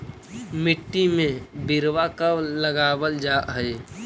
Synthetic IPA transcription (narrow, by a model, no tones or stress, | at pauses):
mɪʈːimẽbɪɾwakaləɡaːwəld͡ʒaɦəe